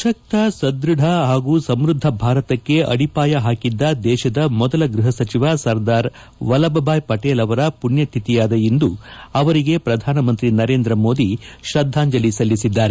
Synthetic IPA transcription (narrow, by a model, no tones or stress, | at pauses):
ʃɐk̚t̪ɐsɐd̪ɾuɖʱɐɦaːɡuːsɐmɾud̪ʱːɐbʱaːɾɐt̪ɐkːe̞ʔɐ̰ɽipaːjɐɦaːkid̪ːɐd̪ɛːʃɐd̪ɐmɔd̪ɐlɐɡɾuɦɐsɐt͡ʃiʋasɐɾd̪aːɾ | ʋɐlɐbɐbʱaːjpɐʈeːlɐʋɐɾɐpunjɐʈ̪ʰit̪ijaːd̪ɐjind̪uɐʋɐɾiɡe̞pɾɐd̪ʱaːnɐmɐnt̪ɾinɐɾe̞ːnd̪ɾɐmo̞ːd̪iʃɾɐd̪ʱːaːɲd͡ʒɐlisɐlːisid̪ːaːɾe